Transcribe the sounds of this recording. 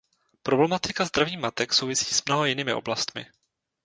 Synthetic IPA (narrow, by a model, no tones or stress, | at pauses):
pɾo̞blɛmat̪ɪkazd̪ɾaviːmat̪ɛkso̞wvɪsi̥ːsmno̞ɦojɪniːmɪ̰ʔoblast̪mɪ̰